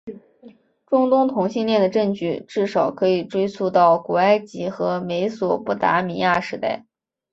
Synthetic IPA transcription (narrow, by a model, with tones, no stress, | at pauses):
ʈ͡ʂʊ˥ŋt̪ʊ˥ŋt̪ʰʊ˧˥ŋɕi˥˧nljɛ˥˩nd̪ə˩ʈ͡ʂɤ˥˧ŋt͡ɕy˥˩ʈ͡ʂɻ̩˥˩ʂɑ˨˩ʊkʰɤ˧˥i˨˩ʈ͡ʂwe˥ɪsu˥˧t̪ɑ˥˩ʊku˨˩a˥˩ɪt͡ɕi˧˥xɤ˧˥me˧˥ɪswɔ˨˩pu˥˩t̪a̰˧˥mi˧˥ja˥˩ʂɻ̩˧˥t̪a˥˩ɪ